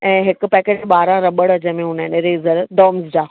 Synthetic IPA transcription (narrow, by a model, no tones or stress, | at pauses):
ɛ̃ːɦɪkʊ̆pɛːkeːʈɓaːɾãɾɐɓəɽɐd͡ʑəmẽɦʊnəɪ̃neɾeːzəɾd̪ɔːmzd͡ʑaː